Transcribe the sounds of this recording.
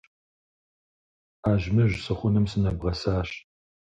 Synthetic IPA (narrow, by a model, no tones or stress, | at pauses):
aːʒmɐʒsɨχʷʊnɨmsɨnɐbʁɐsaːɕ